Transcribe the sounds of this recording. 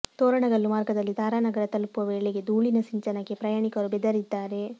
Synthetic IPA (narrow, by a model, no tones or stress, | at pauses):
t̪oːɾɐɳɐɡɐlːumaːɾɡɐd̪ɐlːid̪aːɾaːnɐɡɐɾɐt̪ɐlpuʋɐʋeːɭeɡe̞d̪uːɭinɐsiɲt͡ʃɐnɐɡːepɾɐjaːɳikɐɾubɛd̪ɐɾid̪ːaːɾe̞